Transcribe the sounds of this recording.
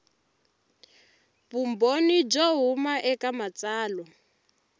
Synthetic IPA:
βumbonid͡ʒɔɦumaʔɛkamat͡saːlɔ

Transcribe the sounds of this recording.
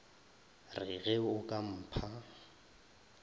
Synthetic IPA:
rɪɣɛʊkʼam̩pʰa

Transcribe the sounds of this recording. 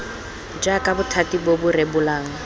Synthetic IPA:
d͡ʒakʼabʊtʰatibobʊrebʊlaːŋ̩

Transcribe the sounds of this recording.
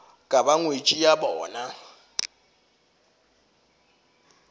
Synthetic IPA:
kʼabaŋwet͡ʃʼijabɔːna

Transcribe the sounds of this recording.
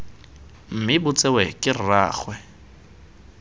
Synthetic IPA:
m̩mɪbʊt͡sʼewɛkʼɪrraːχwɛ

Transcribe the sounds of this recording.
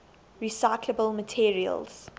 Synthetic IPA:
ɹisaɪkʰləbəlˠmətʰiɹiə̰lˠz̥

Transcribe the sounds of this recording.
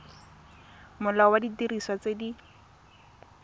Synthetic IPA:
mʊlawaditiriswat͡sedi

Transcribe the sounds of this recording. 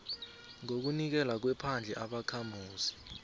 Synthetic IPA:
ŋok̬unik̬ɛlak̬wɛpʰand͡ɮʱɛʔaɓakʰamuːsi̥

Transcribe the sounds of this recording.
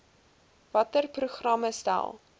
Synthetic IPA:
vɐtərpruχrɐməstæ̰lˠ

